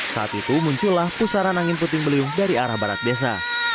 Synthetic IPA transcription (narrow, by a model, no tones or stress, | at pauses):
sa̰ʔa̰t̪it̪umuɲt͡ʃulːahpusaɾanaŋɪnput̪ɪŋbəliʊŋdaɾiaɾahbaɾat̪̚bias̬a̰